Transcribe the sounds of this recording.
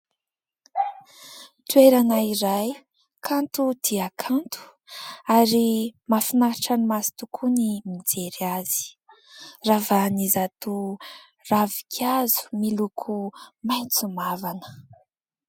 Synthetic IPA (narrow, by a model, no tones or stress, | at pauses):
t̪ueɾanaiɾaj | kʰant̪ud̪̥iakʰant̪u̥ | aɾimafinaɾʈ͡ʂanimasi̥t̪ukʰunimid͡zeɾaz̥i̥ | ravanizat̪u | ravikʲʰazu̥milukʰumajnt͡sumavanə̥